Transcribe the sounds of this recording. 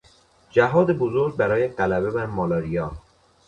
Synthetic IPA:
d͡ʒæɦɒːd̪ebozoɾɡ̚bæɾɒːjeɢælæbebæɾmɒːlɒːɾijɒː

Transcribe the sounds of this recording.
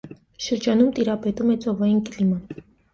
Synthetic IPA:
ʃəɾd͡ʒɑnumt̪iɾɑpɛt̪umɛt͡sʼɔvɑjinklimɑn

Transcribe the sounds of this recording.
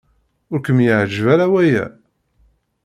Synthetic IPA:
ʊɾkəmjəʕd͡ʒvæɾawæjæ̰

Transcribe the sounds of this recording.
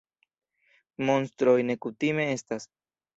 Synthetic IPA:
mo̞nstɾo̞jne̞kutime̞e̞stas

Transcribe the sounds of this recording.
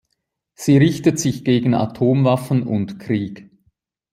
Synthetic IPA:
z̥iːʁɪçtətz̥ɪçɡ̥eːɡn̩a̰tʰoːmvafn̩ʊntkʁ̥iːk

